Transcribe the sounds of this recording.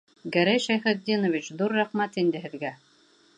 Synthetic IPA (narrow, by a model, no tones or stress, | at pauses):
ɡæɾæjʃæjχæ̆t̪d̪ʲːinovʲɪt͡ɕðuɾːæχmæt̪ind̪ɘ̆ɦɘ̆ðɡæ